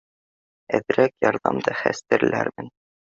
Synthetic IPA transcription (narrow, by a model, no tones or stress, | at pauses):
æ̰ðɾækjɒɾðɑmd̪ɑχæ̰st̪ɘ̆ɾɘ̆læ̰ɾmɘn